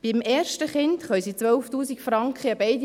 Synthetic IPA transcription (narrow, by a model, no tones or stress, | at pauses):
b̥imɛːɾʃtəχɪntχœʏsit͡sʋœlftuːsikfɾɑŋkχəəbɛɪd